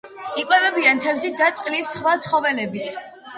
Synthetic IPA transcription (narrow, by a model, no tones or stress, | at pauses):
ikʼwɛvɛbiant̪ʰɛvzid̪at̪sʼqʼlisχwat̪sʰχɔvɛlɛbit̪ʰ